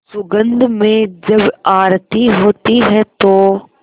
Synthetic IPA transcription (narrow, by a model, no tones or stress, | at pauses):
sʊɡə̃nd̪mẽd͡ʒɐbaːɾt̪iɦoːt̪iɦɛt̪oː